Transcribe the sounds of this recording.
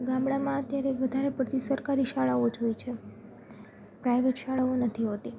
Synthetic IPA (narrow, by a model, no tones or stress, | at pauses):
ɡãmɽamãət̪jaɾeʋəd̪ʱaɾepəɽt̪ʰisəɾkaɾiʃaɭaod͡ʒʱojt͡ʃʰe | pɾajʋeʈʃaɭaonət̪ʰiɦot̪i